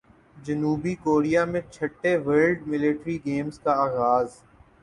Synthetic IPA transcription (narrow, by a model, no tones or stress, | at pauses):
d͡ʒɐnuːbikoːɾijamẽt͡ʃʰɐʈːeʋəːɾlɖmɪlɪʈɾiɡeːmskaaːɣaːz